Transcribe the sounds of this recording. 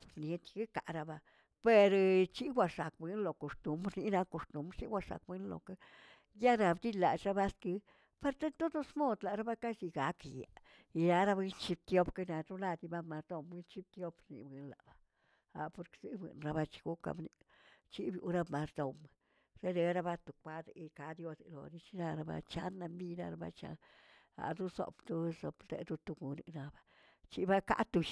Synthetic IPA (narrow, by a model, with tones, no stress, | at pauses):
bne˧t̪ki˦ka̰˨ʔɾa˧ba˧ | pe˧ɾt͡ʃi˦ɡʷwʷa˧ʂa˨k̚bɨ˧˦nlo˨ko˨st̪u˨˦mɾni˧˦na˧ko˧st̪u˨˦mɾt͡ʃi˦ɡʷwʷa˧ʂa̰˨k̚bɨ˧˦nlo̰˨ke˦ | ja˦ɾa˧bd̪i˦la̰˨t͡ʃɾa˦ba˦skɨ˧˦ | pe˧ɾt̪e˦t̪o˦d̪o˦smo˦˧d̪la˨ɾa˦ba˦ka˦ʃi˧ɡa˨˦kja̰˨ | i˧ɾa˦ɾa˦ba˧i˦nt͡ʃi˧b̚t̪jo˦pke˧na˧ɾu˦la˧d̪i˧ba˦˧ma˧ɾd̪o˧mi˦nt͡ʃi˦b̚t̪jo˦pɾnḭ˧bɨ˧˦nla̰˨ba˧ | a̰˨po˧ɾksi˦bwɨ̰˨nɾa˧ba˧t͡ʃi̥˧ɡu˦ka̰˧bni˧t͡ʃi˦bju˧ɾa˧ma˨ɾd̪o˧m | se˦d̪e˧˦ɾa˧ba˧t̪u˨kʷa˦d̪e˨i˧ka˨˦d̪jo˧se˨lo̰˨ni˧t͡ʃi˧na˧ɾa˧ba̰˧t͡ʃa̰˧˦nːa˧mbi˧na˧ɾa˧ba̰˧t͡ʃa̰˧ | a̰˨d̪u˦so̰˨pt̪u˧so˨pd̪ḛ˧d̪u˧t̪u˧ɡu˨ni˨na˨ba˧t͡ʃi˦ba˦ka̰˦ʔt̪u˧ʃ